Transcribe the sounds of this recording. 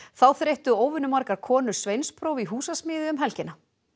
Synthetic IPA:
θawθɾejht̪ʏoːwvʏnʏmaɾkaɾkʰɔːnʏɾ̥svejnspʰɾowviɦuːsasmɪːðɪʏmɦɛlcɪna

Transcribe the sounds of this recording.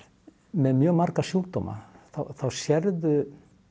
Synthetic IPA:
mɛðmjœːɣmaɾ̥kasjuːk̚t̪ɔːma̰θawθawsjɛɾðʏ

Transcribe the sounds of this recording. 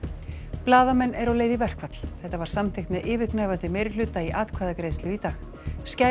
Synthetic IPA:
plaːðamɛnːʔɛɾawleːjðɪvɛr̥kvat̪l̥θɛht̪ːavaɾ̥samt̪ʰɪjxt̪mɛðʔɪːvɪknajvant̪ɪmejɾɪ̥lʏt̪ːaiʔaːt̪kʰvaːðakɾejslʏit̪aːx | sca

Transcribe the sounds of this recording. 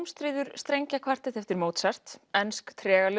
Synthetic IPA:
mst̪ɾiːðʏɾ̥st̪ɾejɲcakʰvar̥t̪ɛt̪ɛft̪ɪɾmoːwt̪sar̥t̪ɛnskt̪ʰɾɛːɣalɪ

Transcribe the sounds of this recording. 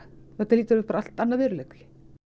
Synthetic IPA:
θɛt̪aɾliːt̪avɪhpaːɾaal̥t̪anːaðvɪːɾʏleklɪ̥

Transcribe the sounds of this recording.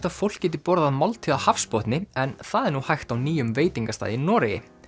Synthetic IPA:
t̪aðfowl̥ccɛːt̪ɪpɔɾðamawlt̪ʰʏahafspɔht̪nɪɛnθaðɛɾnuhajxt̪awniːjʏmveːjt̪iŋkast̪a̰ːðɪnɔːɾɪjɪ̰

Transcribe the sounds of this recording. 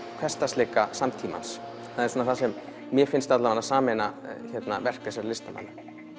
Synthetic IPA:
kʰvɛst̪ast̪lɪːkasamt̪ʰiːma̰ns | θaðɛɾ̥suːnːaθasɛmː | jɛfɪnst̪at̪lamanasaːmenaçɛt̪na̰vɛr̥kasɛɾlɪst̪ama̰nːɪ

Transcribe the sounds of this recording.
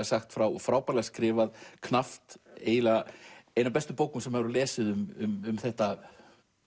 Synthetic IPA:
asaxt̪fɾawɔfɾaːwpaːlaskɾɪːvaðkʰnaft̪eːjlaejnawpɛst̪ʏpoːwkʏmsɛmhɛvɾʏlɛːsɪðʏmʏmʏmθɛht̪a

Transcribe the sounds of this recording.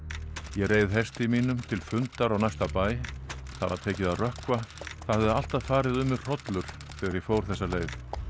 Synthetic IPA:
jɛreːjðɦɛst̪imiːnʏmt̪ʰɪlfʏnt̪aɾawnajst̪apaːjθaða̰ðt̪ʰɛːcɪðaðrœhkvaθaðhɛðʏal̥t̪aðfaːɾɪðʏmɪr̥ɔt̪lʏɾ̥ | fɛðaɾjɛfoːwɾ̥θɛsːaleːjð

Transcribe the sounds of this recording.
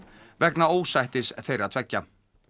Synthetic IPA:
vɛknaoːwsajht̪ɪsθejɾɪaðt̪ʰv̥ɛcːa

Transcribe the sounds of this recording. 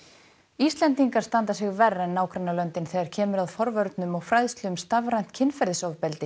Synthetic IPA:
ist̪lɛnt̪iŋkaɾ̥st̪ant̪asɪɣvɛrːɛnːaːwkɾɛnːalœnt̪ɪnθɛɣðaɾ̥cʰɛːmʏɾaðfɔɾvœɾt̪nʏmɔɣfɾajðst̪lʏʏmst̪avɾajn̥t̪cʰɪnfɛɾðɪsɔvpɛlt̪ɪ

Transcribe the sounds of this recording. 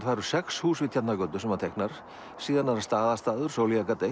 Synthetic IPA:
t̪vaːɾʏ̥sɛkshuːsvɪt̪ʰat̪nakœt̪ʏsɛmat̪ʰejknaɾ̥ | siːðanaɾast̪aːðast̪aːðʏɾ̥soːwliakat̪ej

